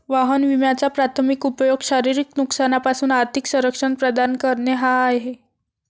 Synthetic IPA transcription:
ʋaɦənʋimjat͡sapɾat̪ʰəmikupjoɡɕaɾiɾiknuksanapasuːnaɾt̪ʰiksəɾəkʂənpɾəd̪ankəɾɳeɦaːjɦe

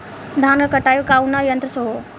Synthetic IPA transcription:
d̪ʱaːnɡəkəʈaːjukaunajɐnt̪ɾəsoɦo

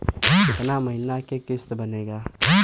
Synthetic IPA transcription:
t̪namɐɦɪnakekɪst̪bɐneːɡaː

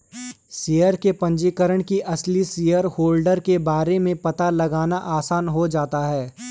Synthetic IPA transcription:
sijəɾkepɐ̃ɲd͡ʒikəɾəɽ̃kiʔɐslisijəɾhoːlɖəɾkebaːɾemẽpɐt̪alɐɡaːnaʔaːsaːnɦod͡ʒaːt̪aɦɛː

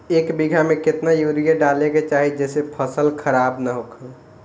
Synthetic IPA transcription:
ekbiɡʱameket̪najuɾijeɖaleket͡ʃaɦid͡ʒɛsepʰəsəlkʰəɾabnəɦokʰəl

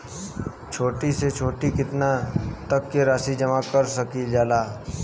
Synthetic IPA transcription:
t͡ʃʰoːʈiset͡ʃʰoːʈikɪt̪nat̪ɐkːeɾaːsid͡ʒɐmakɐɾsɐkid͡ʒaːlaː

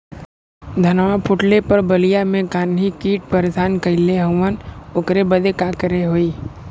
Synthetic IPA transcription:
d̪ʱɐnʋapʰʊʈlepɐɾbəlijamẽkaːnikiːʈ̚pəɾesaːnkəɪleɦə̃ənʊkɾebəd̪ekaːkəɾeɦoːiː

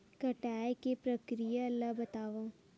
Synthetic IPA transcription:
kɐʈaːjkepɾɐkɾijaɐlːaɦbɐt̪aːʋa

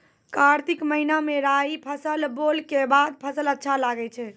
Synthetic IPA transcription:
kaɾt̪ikməɦinameɾajpʰəsəlbolkebad̪̚pʰəsələtːʃʰalaɡɛt͡ʃʰɛ

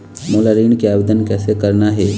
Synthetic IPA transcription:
molaɾiɳkeaːʋed̪ənkɛːsekəɾnaɦe

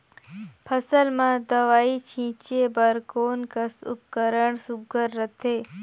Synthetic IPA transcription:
pʰəsəlmãd̪əʋaːit͡ʃʰĩːt͡ʃebəɾkoːnkəsʊ̰p̚kəɾəɳsʊɡəɾːət̪ʰeː

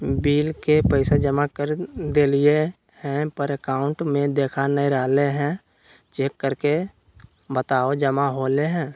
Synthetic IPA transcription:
biːlkepəɪsad͡ʒəmakəɾd̪eːlie | hɛ̃pəɾekaːʊ̃ɳʈmẽd̪eːkʰanəĩɾaːleɦɛ̃ | t͡ʃeːkːəɾke | bət̪aːod͡ʒəmaɦoːleɦɛ̃ː

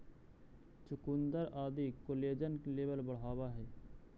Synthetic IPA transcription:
t͡ʃʊkʊnd̪əɾʔaːd̪ikoleːd͡ʒənleːbəlbəɽ̤aːwaɦɛː

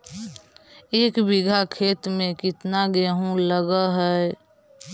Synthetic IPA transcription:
eːkbɪɡʱakʰeːt̪mẽkɪt̪naɡeːɦũləɡəɦɛ

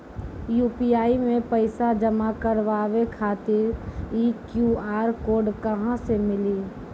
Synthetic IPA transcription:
juːpiaːimẽpəɪsad͡ʒəmakəɾʋaːʋekʰaːt̪ɪɾiːkjuaːɾkoːɖkəɦãsemɪliː

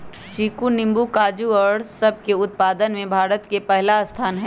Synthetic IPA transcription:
t͡ʃiːkunɪ̃mbukaːd͡ʒuɔɽsɐb̚ʱkeʊt̪̚paːd̪ənmẽbʱaːɾət̪kepɛɦlast̪ʰaːnɦɛ̃

